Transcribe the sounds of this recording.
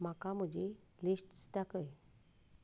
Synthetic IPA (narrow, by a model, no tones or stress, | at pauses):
m̤akam̤əd͡ʑe | lisʈst̪akəj